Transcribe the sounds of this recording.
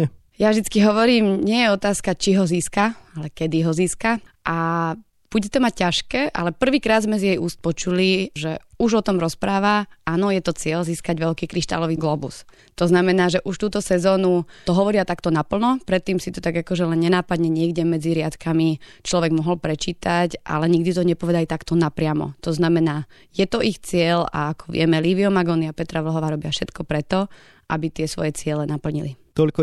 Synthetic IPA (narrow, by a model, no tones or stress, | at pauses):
javʒd̪it͡skiɦɔʋɔɾiːmɲɪɛjɛɔt̪aːskat͡ʃiɦɔziːskaalɛkɛd̪iɦɔziːskaʔa | b̥uɟɛt̪ɛmac̚cːaʃkɛːʔa̰lɛpr̩ʋiːkɾaːd̪zmɛzjɛjuːst̪̚pɔt͡ʃuliʒɛuʒɔt̪ɔmɾɔspɾaːʋaʔaːnɔjɛt̪ɔt͡sɪɛlziːskaɟʋɛlkiːkɾiʃt̪a̰lɔʋiːɡlɔːbṵs | t̪ɔznamɛnaːʒɛʔuʃt̪uːt̪ɔsɛzɔːnut̪ɔɦɔʋɔɾɪat̪akt̪ɔnapl̩nɔpɾɛt̪ːiːmsit̪ɔt̪aɡakɔʒɛlɛnɲɛnaːpad̪ɲɛɲɪɛɡɟɛmɛd͡ziɾɪat̪kamit͡ʃlɔʋɛɡmɔɦɔlpɾɛt͡ʃiːt̪acʔa̰lɛɲiɡ̚d̪it̪ɔɲɛpɔʋɛd̪alit̪akt̪ɔnapɾɪamɔ̰t̪ɔznamɛnaː | jɛt̪ɔʔixt͡sɪɛla̰akɔ̥ʋɪɛmɛliːʋiɔmaɡɔniapɛt̪ɾaʋl̩ɦɔʋaːɾɔbɪafʃɛt̪kɔpɾɛt̪ɔ | ʔabit̪ɪɛsʋɔ̰jɛt͡sɪɛlɛnapl̩ɲḭlit̪ɔʎkɔ